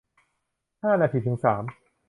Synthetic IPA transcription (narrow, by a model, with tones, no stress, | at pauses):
haː˥˩˨na˧t̪ʰiː˧˩t̪ʰɯ˩˦ŋsaː˩˦m